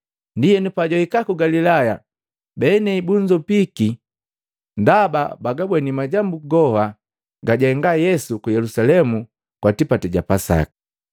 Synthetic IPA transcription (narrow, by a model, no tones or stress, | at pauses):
ndijɛnupaɟɔhikakuɡalilaja | bɛnɛibuɲd͡ʒɔpiki | ndaba̰baɡabwɛnimaɟambuɡɔha | ɡaɟɛŋɡajɛsukujɛlusalɛmu | kwatipatɛɟapasa̰ki̥